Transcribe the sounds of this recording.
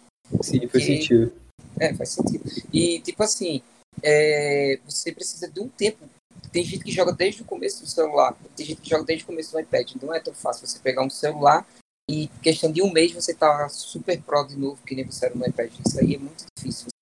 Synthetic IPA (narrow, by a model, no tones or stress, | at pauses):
sĩfajssẽid̪ʊ | ɛfa̰jsẽt̪id̪ʊɪt̪ipʊasĩ | ɛvosepɾesizɐd̪ɪũt̪ẽpʊ̥ | t̪ẽj̃ʒẽjt̪ʊ̥kɪʒɔɡɐd̪ejʒd̪ɪʊkõmesʊd̪ʊselula̰ɾpkt̪ẽʒẽjt̪ʊ̥ɪkɪʒɔɡɐd̪ejʒɪʊkõmesʊd̪ʊajpɛd͡ʒɪnɐ̃w̃ɛt̪ɐ̃w̃fasiuvosepeɡaũselulaɾ | ɪkeʃt̪ɐ̃d̪ɪũmejzvoset̪asupeɾpɾɔd̪ɪnovʊkɪnẽj̃voseɛɾɐũajpɛd͡ʒɪisaiɛmũj̃t̪ʊd̪ifisiuv